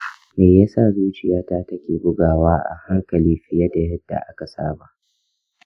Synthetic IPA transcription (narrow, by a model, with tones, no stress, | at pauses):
meː˨ja˦saː˦˨zuː˦t͡ʃɪ˨jaː˦taː˦tɐ˦kʲeː˨bʊ˦ɡaː˨waː˦ʔa̰˨ha˦ŋkɐ˨liː˦ɸɪ˦jɐ˦da˨jɐ˦dːa̰˨ʔa˦ka˨sa̰ː˦ba˨ʔ